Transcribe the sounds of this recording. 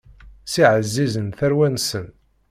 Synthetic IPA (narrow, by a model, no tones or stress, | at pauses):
siʕəzːizənθæɾwænsən